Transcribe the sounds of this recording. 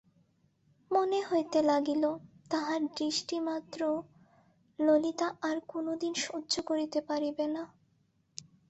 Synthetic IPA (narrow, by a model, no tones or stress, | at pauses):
moneɦojt̪elaɡilot̪aɦaɾd̪ɾiʃʈimat̪ːɾo | lolit̪aʔaɾkonod̪inʃodːʱokoɾit̪epaɾibena